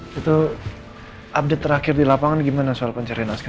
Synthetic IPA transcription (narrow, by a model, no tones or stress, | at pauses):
it̪u | ʔap̚det̪ːəɾakɪrdilapaŋanɡimanasualpəɲt͡ʃəɾianaska